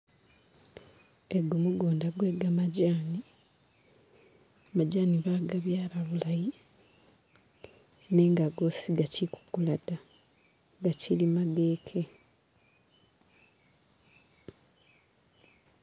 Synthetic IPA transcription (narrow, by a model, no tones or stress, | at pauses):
eɡumuɡoːndaɡwe̞ːɡamaɟaːni | amaɟaːniβaɡaβjaːlaβulaji | ne̞ːŋɡaɡo̞siɡacʰiku̥kulada | ɡacʰilimaɡe̞ːkʰe̞